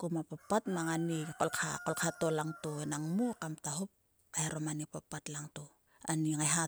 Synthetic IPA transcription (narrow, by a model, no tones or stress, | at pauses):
komapapːatmaŋanikolkʰakolkʰatolaŋtonaŋmukamtaɦop̚ | kaheɾomanipapatlaŋto | a̰niŋajɦa